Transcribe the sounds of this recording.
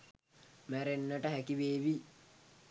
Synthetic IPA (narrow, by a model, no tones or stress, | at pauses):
mæɾenːəʈəɦækiʋeːʋi